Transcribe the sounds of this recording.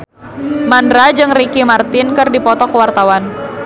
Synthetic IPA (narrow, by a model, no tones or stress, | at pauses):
mandɾad͡ʒɨŋrikimart̪ɪnkɨrdipɔt̪ɔkəwart̪awan